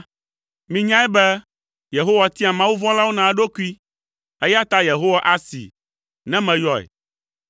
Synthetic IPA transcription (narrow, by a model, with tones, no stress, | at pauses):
mĩ˨ɲã˦ɛ˦bɛ˦ | je˨ɦo˦wa˨t̪i˦a˨mã˦wu˦vɔ̃˦la˦wo˦nã˨˦ɖo˦ku˦i˦ | ɛ˦ja˦t̪a˦je˨ɦo˦wa˦˨ʔa˨sḭ˨ | nɛ̃˦mɛ̃˨jɔ˦ɛ̰˨